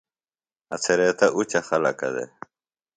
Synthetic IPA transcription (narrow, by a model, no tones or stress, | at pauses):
ɐ̰t͡sʰeɾet̪ɐʔut͡ɕɐxɐlɐkɐ̰d̪ḛ